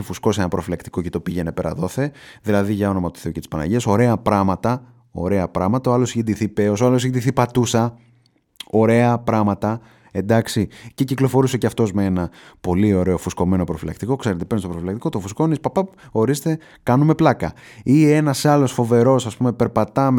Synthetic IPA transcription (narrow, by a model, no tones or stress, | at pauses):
efusko̞seenɐpɾo̞filɐkt̪i̥ko̞cet̪o̞piʝe̞ne̞pe̞ɾɐ̰ðo̞θe̞ðilɐðiʝɐo̞no̞mɐt̪u̥θe̞ucet̪i̥spɐnɐ̰ʝeso̞ɾe̞ɐpɾɐmɐt̪ɐ | o̞̰ɾe̞ɐpɾɐmɐt̪ɐoɐlosʝind̪iθipeo̞soɐlosʝind̪iθipɐt̪usɐ | o̞ɾe̞ɐpɾɐmɐt̪ɐ | e̞nd̪ɐksiceciklo̞fo̞ɾuseceɐft̪o̞zmeenɐpo̞lio̞ɾe̞o̞fusko̞me̞no̞pɾo̞filɐ̰kt̪iko̞kse̞ɾet̪epenst̪oɾofilɐkt̪iko̞t̪ofusko̞nispɐpɐo̞ɾist̪e̞ | kɐnume̞plɐkɐ̰ | ie̞nɐsɐlo̞sfo̞ve̞ɾo̞sɐspume̞pe̞ɾpɐt̪ɐm